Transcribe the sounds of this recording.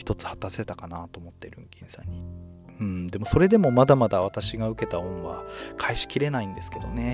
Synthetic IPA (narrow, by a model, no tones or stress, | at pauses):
çi̥t̪o̞t͡sɨ̥hḁt̪ase̞t̪akanat̪o̞ːmot̪ːe̞ɾɯ̟̰ŋkʲĩɰ̃sã̰ɲ̟ːi | ɯ̟̃ɴd̪e̞mo̞so̞ɾe̞d̪e̞mo̞mad̪amad̪aβ̞at̪aɕiɡaɯ̟ke̞t̪aõɰ̃βa̰kʰaiɕi̥kʲiɾe̞naĩnd̪e̞sɨ̥ke̞d̪o̞ne̞